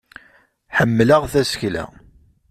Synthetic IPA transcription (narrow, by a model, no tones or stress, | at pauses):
ħəmːləʁθæsəçlæ̰